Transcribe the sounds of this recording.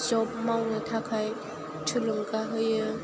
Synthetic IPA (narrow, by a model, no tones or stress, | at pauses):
zɔp̚mawnɯtʰakʰaj | tʰulɯŋkaɦɯjɯ